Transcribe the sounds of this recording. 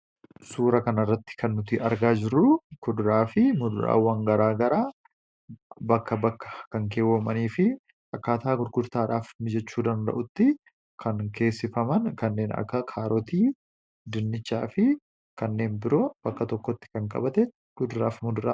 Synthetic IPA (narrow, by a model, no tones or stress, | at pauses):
suːɾɐkɐnɐrːɐt̪ːɪ̥kʰɐnːʊt̪ɪʔɐɾɡaːd͡ʒɪrːʊkʊd̪ɾaːfɪmʊd̪ɾa̰ːwːɐŋɡɐɾaːɡɐɾaː | bɐkːɐbɐkːɐ̥kɐŋkeːwːɐmɐniːfɪ | ʔɐkːaːt̪aːɡʊɾɡʊɾt̪aːᶑaːfmɪd͡ʒɛt͡ʃːuːd̪ɐnd̪ɐ̰ʔʊt̪ːɪ | kʰɐnke̞ːsːɪfɐmɐnkɐnːe̞ːnɐ̰kːɐkʰaːɾɔt̪iː | d̪ɪnːɪt͡ʃːaːfɪ | kɐnːe̞ːnbɪɾo̞ːb̥ɐkːɐt̪ɔkːɔt̪ːɪ̥kɐŋkʼɐ̰bɐt̪ɛ | kʊd̪ɾaːfmʊd̪ʊɾa̰